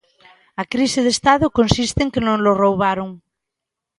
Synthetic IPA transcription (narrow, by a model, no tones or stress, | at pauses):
akɾiseðest̪aðʊkõnsist̪eŋkenõŋlorowβaɾoŋ